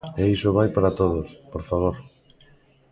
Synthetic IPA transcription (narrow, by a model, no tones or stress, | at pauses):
eisoβ̞ajpaɾat̪oð̞ospoɾfaβ̞oɾ